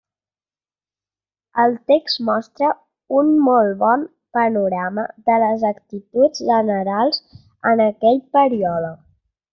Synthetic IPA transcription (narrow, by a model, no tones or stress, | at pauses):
əlˠt̪ekztmɔst̪ɾə | unmɔlˠβɔn | pənuɾaməðələzəkt̪it̪ud͡zʒənəɾalˠz | ənəkɛʎpəɾiɔlək